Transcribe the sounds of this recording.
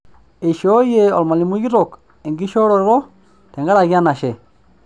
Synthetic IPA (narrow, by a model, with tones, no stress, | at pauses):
e˨ʃo˦je˨ɔ̰˨lma˨li˨mu˦ɡi˦ɾɔ˨k | e˨ŋɡi˦ʃo˦ɾɔ˨˦ɾɔ˦ | tɛ˨ŋɡa˦ɾa˨ɡja˦na˨ʃe˨